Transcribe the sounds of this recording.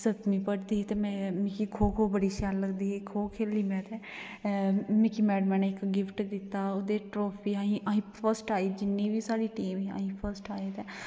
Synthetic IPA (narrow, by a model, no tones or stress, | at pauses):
sət̪mĩːpəʈd̪iːɦɛt̪eːmɛ̃ːmɪkikʰoːkʰoːbəɽiːʃjaːlːəɡd̪iːɦekʰoːkʰeːlːiːmɛ̃ːt̪ɛː | mɪkiːmɛːɽmɛːneɪkɡɪpʰʈd̪ɪt̪ːaːoːd̪eːʈɾoːpʰiːaːĩːʔaĩːpʰəɾsʈaːiːd͡ʒɪnːĩːʋiːsaːɽiːʈiːmʋiːa̰ːɦĩːpʰəɾsʈaːeːt̪ɛː